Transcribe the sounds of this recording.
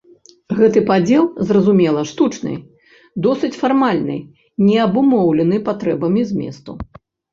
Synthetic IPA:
ɣɛt̪ɨpad͡zʲɛlˠzrɐzumʲɛlˠɐʂt̪ut͡ʂnɨ̰ | d̪ɔsɨt͡sʲfarmalʲnɨ̰j | nʲɛɐbumɔwlʲɛnɨpat̪ɾɛbɐmʲizʲmʲɛ̰st̪u

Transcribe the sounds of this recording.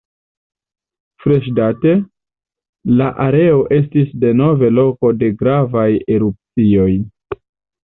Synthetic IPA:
fɾe̞ʃ̬date̞ | laʔaɾe̞o̞ʔe̞stisde̞no̞ve̞lo̞ko̞de̞ɡɾavaje̞ɾup̚t͡sio̞j

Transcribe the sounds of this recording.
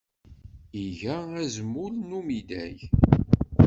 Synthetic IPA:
iʝææzəmːulnumid̪æ̰j

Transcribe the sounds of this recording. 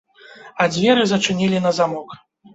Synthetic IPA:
ɐd͡zʲvʲɛɾɨzɐt͡ʂɨnʲilʲinɐzamɔk

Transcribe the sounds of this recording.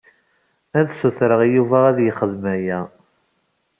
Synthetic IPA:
æðsuθɾəʁjuvæʁæðjəχəðmæjæ

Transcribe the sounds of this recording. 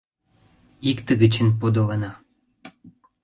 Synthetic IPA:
ikt̪əɡət͡ɕənpod̪olənɑ

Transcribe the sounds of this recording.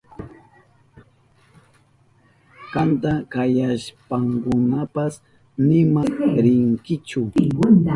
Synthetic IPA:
kant̪akajaʃpaŋkʊnapas | nɪmaɾɪŋkɪt͡ʃʊ

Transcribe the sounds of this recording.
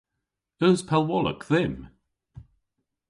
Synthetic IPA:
œspʰɛlˠwɔlə̰kðɪm

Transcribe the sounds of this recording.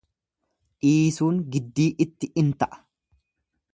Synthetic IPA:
ʔiːsuːŋɡɪd̪ːiːʔɪt̪ːɪʔɪnt̪ɐʔɐ̥

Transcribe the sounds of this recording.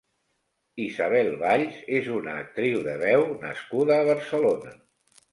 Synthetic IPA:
izaβ̞ɛlˠβaʎzezunəːk̚t̪ɾiwðəβɛwnə̰skuðəːβ̞əɾsəlonə

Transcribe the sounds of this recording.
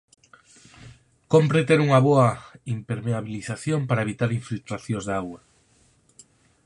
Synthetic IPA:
kompɾet̪eɾuŋɐβoɐimpeɾmeaβiliθaθjompaɾaeβ̞it̪aɾiɱfilt̪ɾaθjõzðaɣwa

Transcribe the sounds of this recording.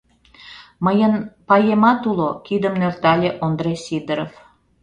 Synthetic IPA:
məjənpɑjemɑt̪ulokid̪əmnørt̪ɑlʲeʔond̪resid̪əɾof

